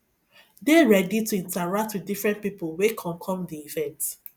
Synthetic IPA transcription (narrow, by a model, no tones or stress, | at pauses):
deɹɛdituĩntaɹak̚twidifɹɛ̃ntpipulwekʰɔ̃ŋkʰɔ̃mdiivɛ̃nt